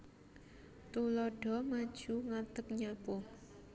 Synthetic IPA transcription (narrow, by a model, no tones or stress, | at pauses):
t̪ulɔɖ̥ɔ̤mad̥ʒ̥uŋat̪ək̚ɲabɔ